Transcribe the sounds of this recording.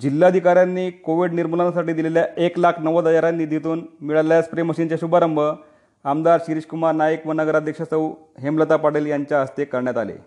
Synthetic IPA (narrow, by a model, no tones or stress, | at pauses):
d͡ʑilːaəd̪ʱikaɾjanːiːkoʋiɖniɾmulənasaʈiːd̪ileljaʔeklakʰnəʋəd̪əjaɾanːiːd̪ʱit̪uːnmiɭaljaspɾeməɕiːnt͡ɕeɕubʱaɾəmbʱə | amd̪aɾɕiɾiɕkumaɾnajəkʋənəɡəɾad̪ʱjəkʂəsəw | ɦemlət̪apaɽeːljaɲt͡ɕjaəst̪ekəɾɳjat̪a̰lḛ